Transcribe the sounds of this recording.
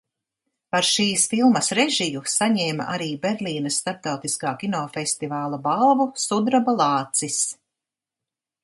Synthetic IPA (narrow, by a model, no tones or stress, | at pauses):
paɾʃiːsfilˠmɐsɾɛʒijusaɲɛːma̰ʔaɾiːbɛɾlʲiːnɐsːt̪aɾp̚t̪awt̪iskaːkʲinɔːfɛst̪ivaːlˠabalˠvusud̪ɾabalˠɑːt̪sis